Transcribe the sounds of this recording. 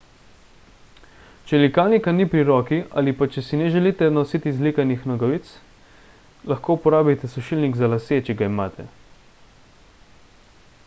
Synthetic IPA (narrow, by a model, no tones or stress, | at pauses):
t͡ʃɛlikaːlnikanipɾiɾɔːkia̰ːlipat͡ʃɛsinɛʒɛliːt̪ɛnɔsiːt̪izlikanixnɔɡɔʋiːt̪s | lɐxkoːupɔɾaːbit̪ɛsɔʃiːlniɡzalaset͡ʃɛɡaimaːt̪ʰɛ̰